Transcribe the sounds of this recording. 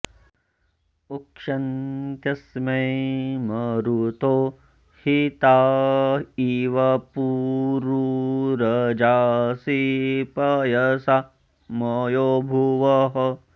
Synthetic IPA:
ukʂɐnt̪jɐsmɐjmɐɾut̪oː | hit̪aː | iːʋɐpuːɾuɾɐd͡ʒaːsipɐjɐsa | mɐjoːbʱuʋɐɦɐ

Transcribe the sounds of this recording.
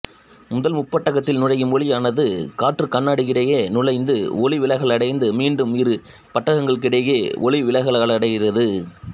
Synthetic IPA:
mʊðɐlmʊpːɐʈːɐɣɐt̪ːɪlnʊɻɐjɯmɔɻɪjaːnɐðɯkaːʈrɯkɐnːaːɽikɪɽɐjeːnʊlɐɪnd̪ɯɔɭɪʋɪlɐɣɐɭɐɽɐɪnd̪ɯmiːɳɖɯmɪɾɯ | pɐʈːɐɣɐŋɡɐɭk̬ɪɽɐjeːʔɔɭɪʋɪlɐɣɐɭɐɭɐɽɐɪɣɪrɐðɯ

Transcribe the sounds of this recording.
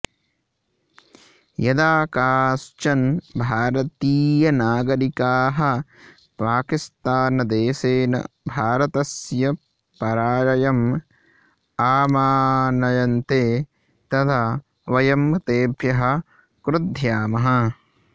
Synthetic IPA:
jɐd̪aːkaːst͡ʃɐnbʱaːɾɐt̪iːjɐnaːɡɐɾikaːɦɐ̆ | paːkist̪aːnɐd̪eːseːnɐ̰bʱaːɾɐt̪ɐsjɐ | pɐɾaːɾɐjɐm | aːmaːnɐjɐnt̪eː | t̪ɐt̪ʰa | ʋɐjɐmɐt̪eːbʱjɐɦɐ̆ | kɾʊd̪ʱjaːmɐɦɐ̆

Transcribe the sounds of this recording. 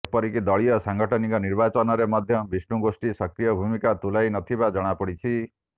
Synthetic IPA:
epɔɾikid̪ɔɭijɔsaŋɡɔʈʰɔnikɔniɾbat͡ʃɔnɔɾemɔd̪ʱjɔbisnuɡosʈisʌkɾijɔbʱumikat̪ulajnɔt̪ʰibad͡ʒɔɽ̃apɔɽit͡ʃʰi

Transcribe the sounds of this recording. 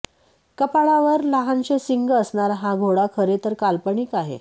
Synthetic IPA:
kəpaɭaʋəɾlaɦãnt͡ɕesiŋɡəsɳaɾɦaɡʱoɽakʰəɾet̪əɾkalpəɳiːkaɦḛ

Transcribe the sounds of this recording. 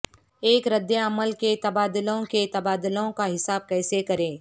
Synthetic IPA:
eːkɾɐd̪jaɐməlket̪ɐbaːd̪ʊlõket̪ɐbaːd̪ʊlõkaɦɪsaːb̚kɛːsekɐɾẽː

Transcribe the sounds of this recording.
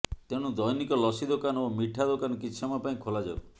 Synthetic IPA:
t̪eɽ̃ũd̪ɔjnikɔlɔsid̪okanomiʈʰad̪okanɔkit͡ʃʰɔmapaĩkʰolad͡ʒa̰w

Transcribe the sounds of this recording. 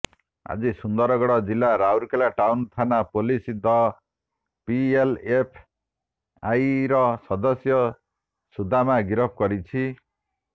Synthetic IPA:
a̰d͡zisund̪ʌɾɔɡɔɽɔd͡zilːaɾawɾkelaʈawnt̪ʰanapolisid̪ɔ | pielepʰ | ajɾʌsʌd̪ɔsjɔ | sud̪ʱamaɡiɾɔpʰkɔɾit͡sʰi

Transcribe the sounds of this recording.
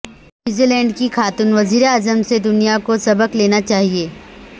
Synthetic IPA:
njuːzilɛ̃ːɳɖkixʰaːt̪ʊnʋɐziːɾeaːzəmsed̪ʊnijakosɐbəkleːnat͡ʃaːɦieː

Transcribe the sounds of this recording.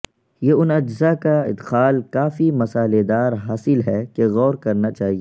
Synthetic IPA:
jeʊnɐd͡ʒzakaɪ̰d̪xaːlkaːfimɐsaːled̪aːɾɦaːsɪlɦɛkeɣɔːɾkɐɾnat͡ʃaːɦieː

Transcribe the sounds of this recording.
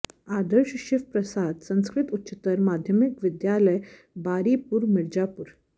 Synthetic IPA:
ad̪əɾɕəɕiʋpɾəsad̪sə̃w̃skɾit̪utːt͡ɕit̪əɾmad̪ʱjəmikʋid̪jaləj | baɾipuɾmiɾd͡ʑapuɾ

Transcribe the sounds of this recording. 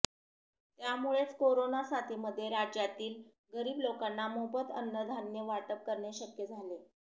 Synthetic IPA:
t̪jamuɭet͡skoɾonasat̪ʰiməd̪ʱːjeɾad͡ʑjat̪iːl | ɡəɾiːblokanːamobət̪ə̰nːəd̪ʱanjəʋaʈəp̚kəɾɳeɕəkjəd͡zʱale

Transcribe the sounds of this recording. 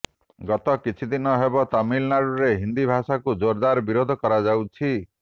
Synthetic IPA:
ɡɔt̪ɔkit͡ʃʰid̪inɔɦebɔt̪amilnaɽuɾeɦind̪ibʱasakud͡ʒoɾd̪aɾbiɾod̪ʱɔkɔɾad͡ʒawt͡ʃʰi

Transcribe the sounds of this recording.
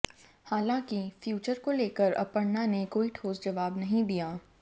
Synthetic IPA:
haːlãːkifjuːt͡ʃəɾkoleːkəɾɐ̰pəɽnanekoːiʈʰoːsd͡ʒɐʋaːbnɐɦĩd̪ijaː

